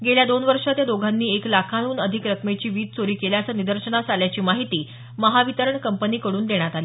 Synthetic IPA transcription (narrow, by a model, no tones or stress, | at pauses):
ɡeljad̪onʋəɾʂat̪jad̪oɡʱanːiːeklakʰaɽ̃uːnəd̪ʱikɾəkmet͡ɕiːʋiːd̪t͡soɾiːkeljasənid̪əɾʂəɳat͡saljat͡ɕiːmaɦit̪iː | məɦaʋit̪əɾəɳkəmpəniːkəɽuːnd̪eɽ̃jat̪aliː